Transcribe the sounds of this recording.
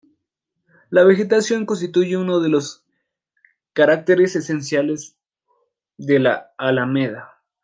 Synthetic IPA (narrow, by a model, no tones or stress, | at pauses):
laβe̞xe̞t̪asjo̞ŋkonst̪it̪uʝeuno̞ðe̞lo̞s | kaɾak̚t̪eɾese̞se̞ns̬jale̞z | ðelaːlameða